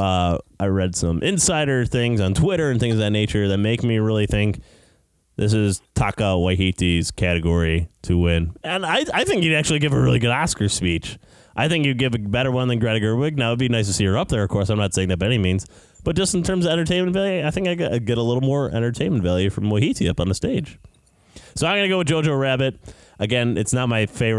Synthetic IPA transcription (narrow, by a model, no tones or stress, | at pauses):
ʌʔaɪɹɛd̥sʌ̃mʔɪ̃nsaɪɾə˞θɪ̃ŋzn̩tʰw̥ɪɾə˞ɨ̃nθɪ̃ŋzðɨtⁿneɪt͡ʃə˞ðɨt̚meɪkmiɹɪlˠiθɪ̃ŋk | ðɪs̬ɪz̥tʰɑkʌʔ̚waɪɦitiz̥kʰæɾɨɡɔɹiɾʰɨwɪ̃nɨ̃naɪaɪθɪ̃ŋkjɨɾæk̚t͡ʃʉl̩ˠiɡɪvɨɹɪlˠiɡʊɾæskə˞spit͡ʃ | ʔaɪθɪ̃ŋkjɨɡɪvɨbɛɾə˞wʌ̃nðɨ̃nɡɹæɾɨɡɜ˞wɪɡ̚naʊɨd̚binaɪstʰɨsijə˞ʌp̚ðə˞ʌv̥kʰɔɹsãɪ̃mnətseɪ̃ŋðæt̚baɪɛnimĩnz̥ | b̥ʌt̚d̥ʒ̥ʌstn̩tʰɜ̃˞mzʌvɛ̃ɾ̃ə˞tʰẽɪ̃mɨ̃nvælˠjʉaɪθɪ̃ŋkaɪɡa̰ɪɡɛɾəlɪɾl̩ˠmɔɹɛ̰̃ɾ̃ə˞tʰẽɪ̃nmɨ̃n̩tvælˠjʉfɹʌ̃mwaɪhiɾiʌ̰pn̩ðəsteɪd̥ʒ̥ | soʊaɪ̃mɡʌnɨɡoʊɨðd͡ʒoʊd͡ʒoɹæbɨt̚ʔɨɡɛ̃nɨtsnət̚maɪfeɪv